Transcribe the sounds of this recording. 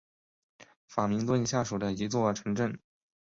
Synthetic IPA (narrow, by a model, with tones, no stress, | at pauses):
fa˨˩mi˧˥ŋt̪wə˥˧nɕja˥˩ʂu˨˩d̪ə˦i˧˥t͡swɔ˥˩ʈ͡ʂʰɤ˧˥ŋʈ͡ʂə˥˩n